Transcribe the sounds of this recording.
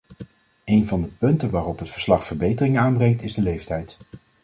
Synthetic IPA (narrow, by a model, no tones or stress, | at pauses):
ejnvɑndəpɵntənʋaːrɔpɦətfəɹslɑχfəɹbejtərɪŋaːnbrɛŋtɪzdəlejftɛjt